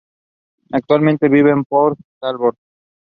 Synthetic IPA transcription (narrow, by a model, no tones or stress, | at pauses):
ɛk̚t̪ɔɾment̪ebibempɔɾt̪albɔɾt̪